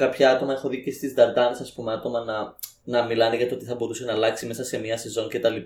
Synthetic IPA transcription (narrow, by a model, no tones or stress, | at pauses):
kɐpçɐɐt̪o̞mɐe̞xo̞ðicest̪izd̪ɐɾd̪ɐnesɐspumeɐt̪o̞mɐnɐ | nɐmilɐneʝɐt̪oot̪iθɐbo̞ɾuse̞nɐlɐksime̞sɐse̞miɐse̞zo̞ɲce̞t̪ɐlip